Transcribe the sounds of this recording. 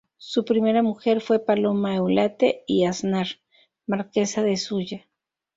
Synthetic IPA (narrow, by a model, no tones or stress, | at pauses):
supɾimeɾamuxe̞ɾfwe̞palomaewlat̪eiasnaɾ | maɾkesaðesuʝa